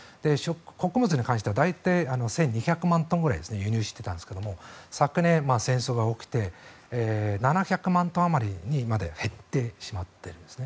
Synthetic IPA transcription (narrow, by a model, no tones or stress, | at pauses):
d̪̥e̞ɕokko̞kɯ̟bɯt͡sɨɲ̟ikãɕit̪eβad̪ait̪aiano̞sẽ̞ɲ̟ːiçʲakɯ̟mãnt̪õ̞ŋɡɯ̟ɾa̰id̪e̞sɨnejɯ̟ɲ̟ɨːɕi̥t̪ːe̞t̪ãnd̪esɨ̥ke̞d̪o̞mo̞sakɯ̟nẽ̞masẽ̞ɰ̃so̞ːɡaokʲi̥t̪e̞ː | nanaçʲakɯ̟mãnt̪õamaɾʲiɲ̟imad̪e̞̰he̞t̪ːe̞ːɕimat̪ːe̞ɾɯ̟nd̪esɨ̥ne